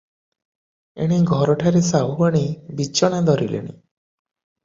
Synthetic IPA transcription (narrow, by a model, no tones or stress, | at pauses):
ḛɽ̃eɡʱɔɾɔʈʰaɾesaɦubaɽ̃ibit͡ʃɔɽ̃ad̪ʱɔɾḭlḛɽ̃ḭ